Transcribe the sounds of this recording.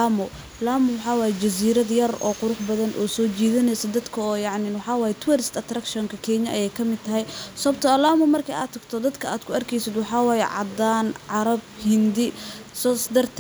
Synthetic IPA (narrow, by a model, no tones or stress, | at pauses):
amʊ | laːmʊwɑħɑːwɑːjɛd͡ʒɐs̬iːɾɐðjɐrɔ̰ːqʊɾʊħbɐðɐnʔɔːsɔːt͡ʃiːðɐnɛjsɐd̪ɐd̪kʰɐɔːjɑʕnɪnwɑħɑːwɑːjɛt̪ʰʊwɛɾɪst̪ɐt̪rɐkʃɔŋkʰɐkʰɛɲɐʔɐjɛjkʰɐmɪd̪̚t̪ʰɐɦɛjsɔbt̪ʰɔɐlaːmʊmɐrkʰɐa̰ːd̪t̪ʰɐɡt̪ʰɔd̪ɐd̪kʰɐaːd̪kʰʊɐrkʰɛjsɪd̪wɑħɑːwɑːjɛ̰ʕɑ̰d̪aːnʕɑɾɐbhɪnd̪ɪsɔːsd̪ɐrt̪ʰ